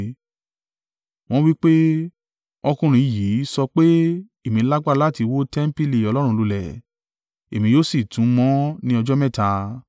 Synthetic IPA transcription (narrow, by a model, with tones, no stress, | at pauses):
w̃ɔ̃˦wi˦k͡pe˦ | ɔ˧kũ˧ɾ̃ĩ˨˦˨ji˨˦sɔ˧k͡pe˦ | e˦˨mĩ˨˦la˦ɡ͡ba˦˨la˦˨ti˧wo˦tɛ˦m̩˦pi˦li˦˨ɔ˨˧lɔ˦ɾũ˧˦˧lu˧lɛ˨ | e˨mĩ˨˧joː˦si˦˨tũ˨˦mɔ̃˦nĩ˦ɔ˧d͡ʒɔ˦mɛ̃˦˨ta˧